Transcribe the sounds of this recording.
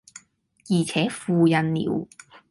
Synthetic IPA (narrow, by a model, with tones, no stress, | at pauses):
jiː˨˩t͡sʰɛː˨˥fuː˨˧jɐ˨nlḭː˨˩˦w